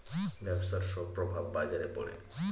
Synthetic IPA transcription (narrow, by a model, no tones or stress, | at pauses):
bɛbsaɾʃɔpːɾobʱabːad͡ʑaɾepoɽḛ